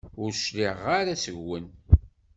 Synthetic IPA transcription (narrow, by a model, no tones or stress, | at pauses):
ʊɾʃliʁaɾæsəʝwən